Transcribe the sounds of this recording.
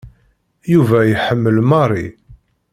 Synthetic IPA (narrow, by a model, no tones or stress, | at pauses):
juvæjħəmːəlmɑrˤḭ